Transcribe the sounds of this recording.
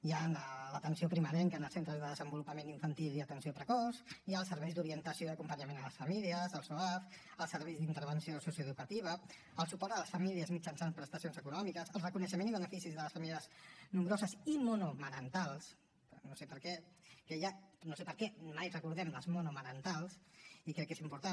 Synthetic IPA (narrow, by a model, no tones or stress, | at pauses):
janələt̪ənsiopɾiməɾɛŋkənəlˠsent̪ɾəzðəðəzəmbulupəmeniɱfənt̪ilˠiət̪ənsiopɾəkɔsiaːlˠsəɾβɛjzðuɾiənt̪əsioðəkumpəɲəmenələsfəmiliəzəlˠsoaf | əlˠsəɾβɛjzðint̪əɾβənsiosusiəðukət̪iβ̞ə | əlˠsupɔɾt̪ələsfəmiliəzmid͡ʒənsanpɾəst̪əsionzəkunɔmikəsəlˠrəkunəʃ̬əmẽniβ̞ənəfisizðələsfəmiliəznumbɾozəsimunuməɾənt̪alˠs | pɾnosepəɾkɛkəjanosepəɾkɛmajrəkuɾðɛmləzmunuməɾənt̪alˠsikɾɛkːezimpuɾt̪an